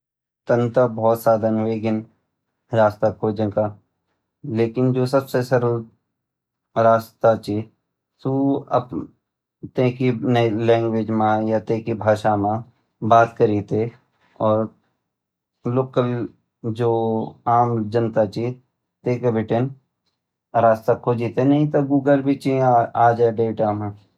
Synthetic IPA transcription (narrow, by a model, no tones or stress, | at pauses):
t̪ənt̪əbɔːt̪saːd̪ʱənɦeːɡɪn | ɾaːst̪akʰoːd͡ʒənka | leːkɪnd͡ʒoːsɐbsesɐɾu | ɾaːst̪at͡ʃi | suɐ̰b | t̪ẽːkinɛlɛ̃ːŋɡʋed͡ʒmãjat̪ẽːkibʱaːʃamã | baːt̪kəɾit̪e | ɔːɾ | loːkəl | d͡ʒoːaːmd͡ʒənt̪at͡ʃi | t̪ẽːkebɪʈen | ɾaːst̪akʰoːd͡ʒit̪enɐɦĩt̪oɡuːɡəlbʱit͡ʃiaːd͡ʒɛɖeːʈamã